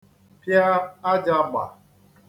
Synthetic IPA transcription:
pja˦a˦d͡ʒa˨˦ɡ͡ba̰˨

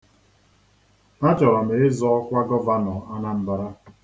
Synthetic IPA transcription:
na˦t͡ʃɔ˨ɾɔ˨me˨ɪ˦zɔ˦ɔ˦kʷa˦ɡɔ˦va˦nɔ˨a˦na˦m̩˦ba˨ɾa˦

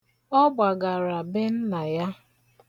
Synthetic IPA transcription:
ɔ˦ɡ͡ba˨ɡa˨ɾa˨bɪ˦n̩˦na˨ja˦

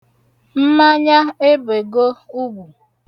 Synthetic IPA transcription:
m̩˦ma˦ɲa˦e˦be˨ɡo˦u˦bu˨

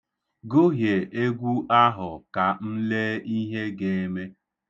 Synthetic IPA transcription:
ɡo˦ɦje˨ʔe˦ɡʷu˦ʔa˦ɦʊ˨ka˨n̩˦le˦i˦ɦe˦ɡe˨˦me˦

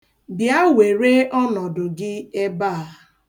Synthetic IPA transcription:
bja˦we˨ɾe˦ɔ˦nɔ˨dʊ˨ɡɪ˦e˦baː˦˨

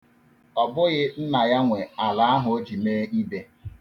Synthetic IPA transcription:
ɔ˨bʊ˦ɣɪ˦n̩˦na˨ja˦ŋʷe˨a˨la˨a˦ɦʊ˨o˦d͡ʒi˨meː˦i˦be˦

